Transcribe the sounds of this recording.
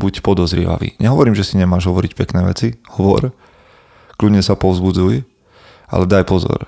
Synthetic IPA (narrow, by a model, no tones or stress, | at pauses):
bucpɔd̪ɔzɾɪɛ̰ʋa̰ʋḭːɲʔɛɦɔʋɔɾiːmʒɛsiɲɛmaːʒɦɔʋɔɾicpɛknɛːʋɛ̰t͡sihɔʋɔ̰ɾ | kludɲɛsapɔʊzbud͡zuj | ʔa̰lɛd̪ajpɔzɔ̰ɾ